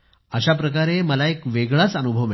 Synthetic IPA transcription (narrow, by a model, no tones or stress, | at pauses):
əɕap̬ɾəkaɾeməlaekʋeɡɭat͡sənubʱəʋe